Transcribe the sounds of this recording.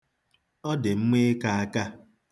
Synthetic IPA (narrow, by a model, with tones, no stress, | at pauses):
ɔ˦dɪ˨m̩˦ŋe˦ka˦a˦ka˦